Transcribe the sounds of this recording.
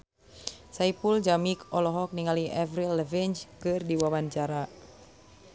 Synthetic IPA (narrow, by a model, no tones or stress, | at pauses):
saipuld͡ʒamikɔlɔɦɔk̚niŋaliʔɛvɾilɛvint͡ʃkɨrdiwabaɲt͡ʃaɾa